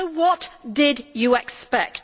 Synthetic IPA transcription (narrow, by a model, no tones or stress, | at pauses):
wɒtd̥ɪdjəɛkspɛk̚t